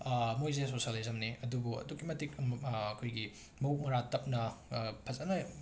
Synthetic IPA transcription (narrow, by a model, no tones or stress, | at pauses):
mojzesosɐlizɐmniɐdubuɐ̰dukːimɐtikːkʰojɡi | mɐuk̚mɐɾatɐp̚nɐpʰɐzɐnɐ